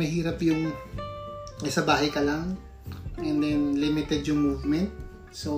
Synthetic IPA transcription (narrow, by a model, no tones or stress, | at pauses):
mɐhiːɾɐpjʊŋ | ʔɪsɐbaːɦɐjkɐlaŋ | ʔɛ̃nd̪ɛnlɪmɪt̪ɛd̪jʊŋmuvmɛnt̪̚ | so